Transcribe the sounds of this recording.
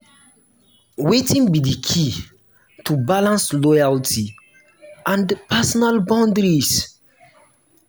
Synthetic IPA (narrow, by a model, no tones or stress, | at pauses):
wetĩŋbidikʰi | tʰubalãnslɔjaltʰi | ʔãnpɛsɔnalbãʊ̃ndɾis